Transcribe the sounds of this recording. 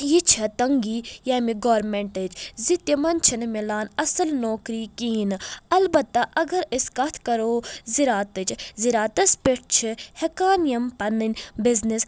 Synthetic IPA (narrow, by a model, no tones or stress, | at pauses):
jit͡ʃʰɐt̪ɐŋɡiːjaːmiɡoːɾmeɳʈəd͡ʒzit̪jɐmɐnt͡ʃʰɐnmilaːnɐsɐlnoːkɾiːkiːnɨɐlbɐt̪ːɐʔɐɡɐɾiskɐt̪ʰkɐɾoːziɾaːt̪ɨt͡ʃʰziɾaːt̪ɐspiʈ̚ʰt͡ʃʰihekaːnijɐmpɐnɨnʲbiznis